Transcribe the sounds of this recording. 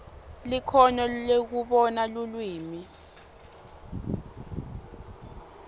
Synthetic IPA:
likʰɔɲɔlek̬uɓɔnalulwiːmi

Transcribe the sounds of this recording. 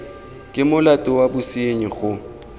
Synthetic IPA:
kʼɪmʊlatʼʊwabʊsieɲiɣʊ

